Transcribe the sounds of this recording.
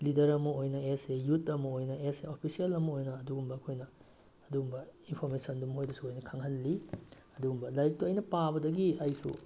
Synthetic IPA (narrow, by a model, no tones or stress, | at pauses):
lidɐɾɐmɐojnɐesejutɐmɐojnɐeseopʰisiɐlɐmɐojnɐːduɡumbɐːkʰojnɐː | duɡumbɐinpʰoɾmesɐndumhojdɐsuojnɐkʰɐŋɦɐnli | ɐduɡumbɐlajk̚tuɐjnɐpabɐdɐɡiajpʰṵ